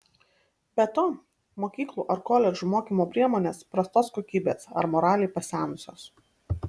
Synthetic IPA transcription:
bʲɛt̪oː | moːkʲiːklˠuːʔɐɾkoːlʲɛʒumoːkʲiːmoːpʲɾʲiɛmoːnʲeːspɾɐst̪oːskoːkʲiːbʲeːsɐ̰ɾmɔːɾɑːlʲɛɪpɐsʲæːnʊsʲoːs

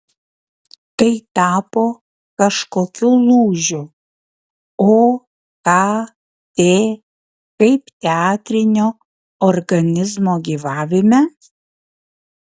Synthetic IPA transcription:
t̪ɐɪt̪ɑːpoː | kɐʃkoːkʲuːlˠuːʒʲʊ | oː | kɑː | t̪ʲeː | kɐɪpt̪ʲɛɑːt̪ʲɾʲɪnʲoː | ɔɾɡɐnʲɪzmoːɡʲiːʋɑːʋʲɪmʲɛ

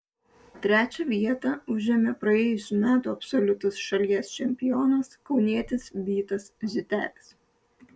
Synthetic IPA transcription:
t̪ʲɾʲæːt͡ʃʲɛʋʲiɛt̪ɐʊʒʲɛmʲepɾɐeːjʊsʲuːmʲæːt̪uːɐpsɔlʲʊt̪ɐsʃɐlʲiɛst͡ʃʲɛmʲpʲɪjɔːnɐskɒʊnʲiɛt̪ʲɪsbʲiːt̪ɐszʲʊt̪ʲæ̰ːlʲɪs

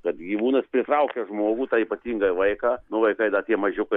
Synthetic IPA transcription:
kɐt̪ɡʲiʋuːnɐspʲɾʲɪt̪ɾɐʊkʲɛʒmoːɡuːt̪ɑiːpɐt̪ʲiːŋɡɐʋɐɪkɑːnʊʋɐɪkɐɪd̪ɐt̪ʲiɛmɐʒʲʊkɐ

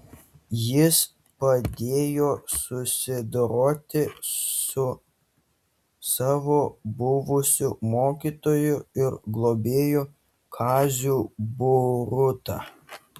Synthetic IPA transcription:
jɪs | pɐd̪ʲeːjoːsʊsʲɪd̪ɾoːt̪ʲɪsʊ | sɑːʋoːbʊʋʊsʲumoːkʲiːt̪oːjʊɪɾɡlˠoːbʲeːjʊ | kʰɑːzʲuːbʊɾʊt̪ɑ̰

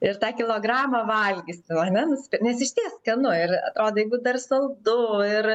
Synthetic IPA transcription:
ɪrt̪ɑːkʲɪlˠoːɡrɑːmɐʋɐlʲɡʲɪsʲt̪ʲɛnɐnʲɛnʊsʲpʲnʲɛsɪʃʲt̪ʲiɛskɐnʊɪrɐ̰t̪ɾoːd̪oːjɛɪɡʊd̪ɐrsɐlˠd̪ʊɪr

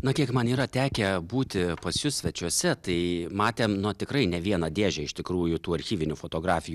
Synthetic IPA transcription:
nɐkʲiɛkmɐniːɾɐt̪ʲæːkʲɛbuːt̪ʲɪpɐsjʊsʲʋʲɛt͡ʃʲuɔsʲɛt̪ɐɪmɑːt̪ʲeːmnʊt̪ʲɪkɾɐɪnʲɛʋʲiɛnɐd̪ʲeːʒʲɛɪʃt̪ʲɪkɾuːjʊt̪uːɐɾʲxʲiːʋʲɪnʲufot̪oːɡɾɑːfʲɪju

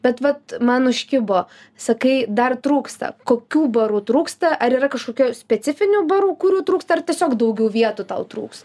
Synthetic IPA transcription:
bʲɛt̪ʋɐt̪mɐnʊʃʲkʲɪboː | sɐkɐɪd̪ɐrt̪ɾuːkst̪ɐ̰koːkʲuːbɐɾuːt̪ɾuːkst̪ɐʔɐɾiːɾɐkɐʃkoːkʲuːsʲpʲɛt̪t͡s̪ʲɪfʲɪnʲubɐɾuːkʊɾʲuːt̪ɾuːkst̪ɐɐrt̪ʲiɛsʲoːkd̪ɐʊɡʲɛʊʋʲiɛt̪ut̪ɐ̰ʊt̪ɾṵːkst̪ɐ

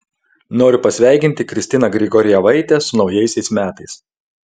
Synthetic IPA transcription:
noːɾʲʊpɐsʲʋʲæˑɪkʲɪnʲt̪ʲɪkɾʲɪsʲt̪ʲɪnɐɡɾʲɪɡɔːɾʲɪjɛʋɐɪt̪ʲɛsʊnɒʊjɛɪsʲɛɪsmʲæːt̪ɐɪs

